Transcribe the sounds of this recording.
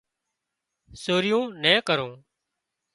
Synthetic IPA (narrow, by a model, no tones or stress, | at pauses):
soːɾɪjõːnɛ̃ːkəɾõː